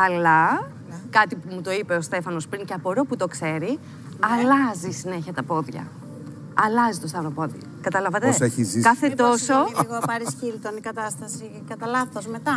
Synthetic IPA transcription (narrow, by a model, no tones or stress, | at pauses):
ɐlɐ | kɐt̪ipumut̪o̞ipe̞ost̪e̞fɐno̞spɾiŋceɐpoɾoput̪o̞kse̞ɾi | ɐlɐzisine̞çiɐt̪ɐpo̞ðʝɐ̰ | ɐlɐzit̪o̞st̪ɐvɾopo̞ðiɐkɐt̪ɐlɐvɐt̪eseçizikɐθet̪o̞soɣopɐɾisçilt̪onikɐt̪ɐst̪ɐsi | kɐt̪ɐlɐθozme̞t̪ɐ